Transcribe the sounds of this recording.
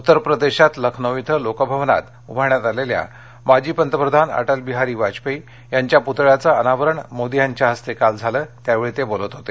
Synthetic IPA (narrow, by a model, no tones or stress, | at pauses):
ut̪ːəɾpɾəd̪eɕat̪ləkʰnəʋit̪ʰəlokəbʱəʋna̰t̪ | ubʱaɳjat̪alelja̰ | mad͡ʑiːpənt̪əpɾəd̪ʱana̰ʈəlbiɦaɾiːʋad͡ʑpei | jaɲt͡ɕjaput̪ɭjat͡səənaʋəɾəɳmod̪ijaɲt͡ɕjaɦəst̪ekald͡zʱaləːt̪jaʋeɭit̪ebolət̪ɦot̪e